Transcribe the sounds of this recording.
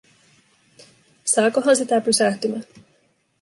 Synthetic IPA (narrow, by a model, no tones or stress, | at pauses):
sɑːkoɦɑnsit̪æpysæht̪ymæ